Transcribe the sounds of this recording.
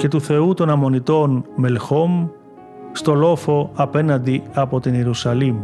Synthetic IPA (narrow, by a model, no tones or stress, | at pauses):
ce̞t̪uθe̞ut̪o̞nɐmo̞nit̪o̞nme̞lxo̞m | st̪o̞lo̞fo̞ɐpe̞nɐnd̪iɐpo̞t̪ineɾusɐlim